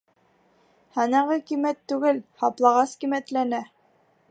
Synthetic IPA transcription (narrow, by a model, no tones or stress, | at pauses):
hɑnɑʁɤkimæt̪ːʉɡɘlhɑplˠɑʁɑskimæt̪lænæ